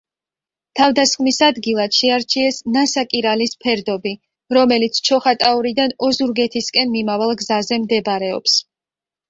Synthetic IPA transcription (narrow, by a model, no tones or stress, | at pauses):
t̪ʰavd̪asχmisad̪ɡilˠad̪̥ʃɛaɾt͡ʃʰiɛsnasakʼiɾalispʰɛɾd̪ɔbi | ɾɔmɛlit̪sʰt͡ʃʰɔχat̪ʼauɾid̪anɔzuɾɡɛt̪ʰiskʼɛnmimavalˠɡzazɛmd̪ɛbɾɛɔ̰ps